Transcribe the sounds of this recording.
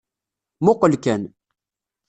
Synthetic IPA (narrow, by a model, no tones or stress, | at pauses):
mʊqəlkæn